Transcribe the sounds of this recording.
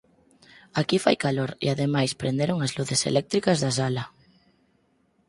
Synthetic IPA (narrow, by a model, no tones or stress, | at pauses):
akifa̰jkaloɾḭaðemajspɾʔend̪eɾoŋazluθesḛlɛk̚t̪ɾikazðas̬ala